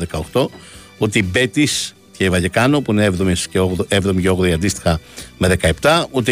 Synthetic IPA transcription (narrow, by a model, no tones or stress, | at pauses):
ðekɐoxt̪o̞ | ut̪eibe̞t̪is | cevɐʝekɐno̞puineevðomisceoevðo̞miceo̞ɣðoiɐnd̪ist̪i̥xɐme̞ðe̞kɐept̪ɐut̪e